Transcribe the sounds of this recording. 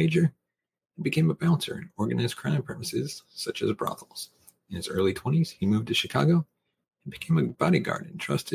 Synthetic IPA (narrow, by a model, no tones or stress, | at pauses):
eɪd͡ʒə̃˞ | n̩bɨkʰẽɪ̃məbæ̃ʊ̃ntʰə̰˞ɨ̃nɔɹɡɨnaɪzkʰɹ̥ãʊ̃pʰɹ̥ɛmɨsɪ̰z̥sʌt͡ʃɨzbɹɑ̰θl̩ˠz̥ | ɨ̃nɨzɜ̰˞lˠitʰw̥ɛ̃ɾ̃iz̥himʉvtʰɨʃɨkʰɑ̰ɡoʊ̃ | n̩bɨkʰẽɪ̃mɨb̥ɑɾiɡɑ̰ɹd̃ⁿn̩tʰɹ̥ʌ̰stʰɨ